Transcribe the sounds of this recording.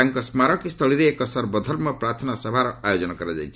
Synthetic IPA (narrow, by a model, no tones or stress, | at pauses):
aŋkɔsmaɾɔkist̪ʰɔɭiɾeːkɔsɔɾbɔd̪ʱɔɾmɔpɾat̪ʰɔnɔsɔbʱaɾɔajod͡ʒɔnɔkɔɾad͡ʒa̰jt͡ʃʰ